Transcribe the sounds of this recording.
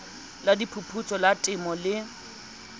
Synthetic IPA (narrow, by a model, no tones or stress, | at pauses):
ladipʰupʰut͡sʼɔlatʼɪmɔlɪ